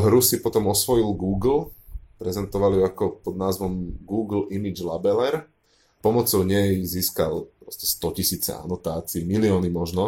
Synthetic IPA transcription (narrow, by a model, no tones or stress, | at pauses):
ɦɾusipɔt̪ɔmɔsʋɔilɡuːɡl̩pɾɛzɛnt̪ɔʋalijuakɔpɔd̪naːzʋɔmɡuːɡl̩imid͡ʒlabɛlɛɾ | pɔmɔt͡sɔʊɲɛjziːska̰lpɾɔscɛ̥st̪ɔcisiːt͡sɛ̰a̰nɔt̪aːt͡siːmiliɔːnimɔʒnɔ